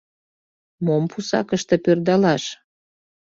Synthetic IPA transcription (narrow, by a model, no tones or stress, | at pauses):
mompusɑ̰kəʃt̪ĕpørd̪ɑlɑʃ